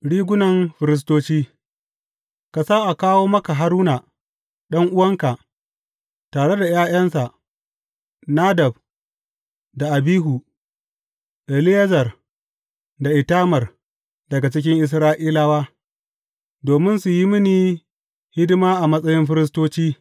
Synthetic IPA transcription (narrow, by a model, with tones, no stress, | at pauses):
ɽiː˦ɡʷʊ˦nɐ˨mɸɪ˨ɾɪ˦s̬toː˦t͡ʃiː˦ | ka˨sa˦ʔa˨kaː˦woː˦mɐ˦ka˨ɦa˦ɾuː˦na˨ | ɗɐ˦ŋʔʊ˦wɐ˦ŋka˨ʔ | taː˨ɽe˦da˨jaː˦jɐ˦nsa˨ʔ | naː˦dɐ˨b̚ | da˨ʔa˨biː˦ɦu˨ | ʔɛ˨lɪ˦jɐ˦zɐ˨r | da˨ʔɪ˨taː˦mɐ˨r | dɐ˨ɡa˨t͡ʃɪ˦kʲɪ˦ŋʔɪ˨s̬ɾaː˦ʔiː˦la˦waː˦ | doː˨mɪ˦nsu˨ji˦mɪ˦niː˨ | hɪ˦dɪ˦maː˦ʔa˨mɐ˦sʼɐ˦jɪ˦mɸɪ˦ɾɪ˦s̬toː˦t͡ʃiː˦